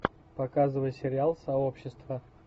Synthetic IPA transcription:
pɐkazɨvəjsʲɪɾʲɪalˠsɐo̞pɕːɪst̪və

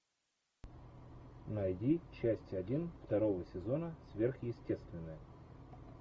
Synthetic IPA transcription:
nɐjdʲit͡ɕːæsʲtʲɐdʲinft̪ɐɾo̞vəsʲɪzo̞nəsvʲe̞rxjɪsʲtʲe̞st̪vʲɪnːəjə

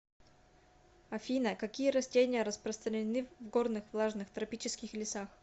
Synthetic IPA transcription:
ɐfʲinəkɐkʲijəɾɐsʲtʲenʲɪjəɾəspɾəst̪ɾənʲɪnɨvɡornɨxvlˠaʐnɨxt̪ɾɐpʲit͡ɕɪskʲɪxlʲɪsax

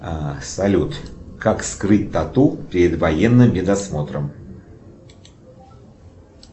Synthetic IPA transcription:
asɐlʲut̪kakskrɨt̚ʲt̪ɐt̪upʲɪɾʲɪd̪vɐjenːɨmbʲɪd̪ɐsmo̞t̪ɾəm

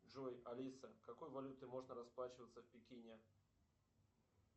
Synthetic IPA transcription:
ʐojɐlʲisəkɐkojvɐlʲut̪ɨmo̞ʐnəɾɐsplˠat͡ɕɪvət̪səfpʲɪkʲinʲe

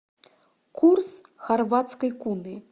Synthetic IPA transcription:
kʰurs | xarvat̪skɐjkunɨ

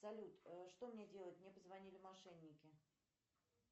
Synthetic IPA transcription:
sɐlʲut̪ʂt̪o̞mnʲedʲe̞lˠət̚ʲmnʲepəzvɐnʲilʲɪmɐʂɛnʲːɪkʲɪ

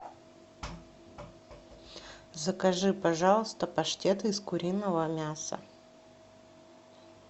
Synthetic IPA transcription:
zəkɐʐɨpɐʐɑlˠəst̪əpɐʂtʲet̪ɨɪskʊɾʲinːəvəmʲasə̰

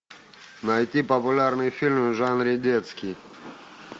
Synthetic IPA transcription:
nɐjt̪ʲipəpʊlʲarnɨjfʲilʲmʐanɾʲɪd̪ʲet̪skʲij

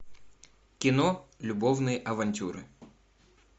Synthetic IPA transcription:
kʲɪnolʲʊbovnɨjəʔɐvɐnʲtʲuɾɨ̰

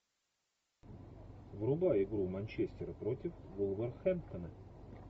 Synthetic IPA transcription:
vrʊbaɪɡɾumɐnʲt͡ɕesʲtʲɪɾəpɾotʲɪfɡulˠvərxɛmt̪ənə

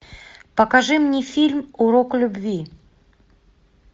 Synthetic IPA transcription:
pəkaʐɨmnʲifʲilʲmuɾoklʲubvʲi

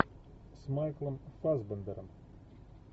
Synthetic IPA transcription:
smajklˠɐmfazbənd̪əɾɐm

